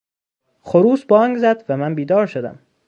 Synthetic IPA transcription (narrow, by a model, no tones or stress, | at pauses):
χoɾuːsbɒːŋɡzæd̪̥væmænbiːd̪ɒːɾʃod̪æ̰m